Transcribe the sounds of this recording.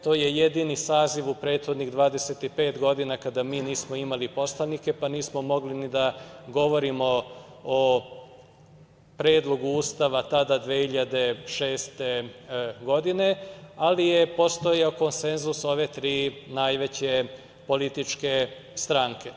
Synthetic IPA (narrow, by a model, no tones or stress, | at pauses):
t̪o̞ːje̞je̞d̪inisaːziʋupɾe̞ːt̪xod̪niɣd̪ʋaːd̪e̞set̪ipe̞ːt̪ɡo̞d̪inakad̪amiːniːsmoimalipo̞slˠanike̞paniːsmo̞mo̞ɡlinid̪aɡo̞ʋo̞ɾimo̞o | pɾeːd̪lˠo̞ɡuuːst̪aʋat̪ad̪ad̪ʋehiʎad̪e̞ʃe̞ːst̪e̞ɡo̞d̪ine̞alijepo̞st̪ojeoko̞nse̞nzuso̞ʋe̞t̪ɾiːnajʋe̞t͡ɕe̞ | po̞lit̪it͡ʃke̞ | st̪ɾaŋke̞